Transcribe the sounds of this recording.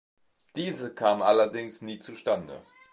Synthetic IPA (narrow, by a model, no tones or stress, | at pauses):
d̥iːzəkʰaːmʔalɐdɪŋsniːt͡suʃtandə̰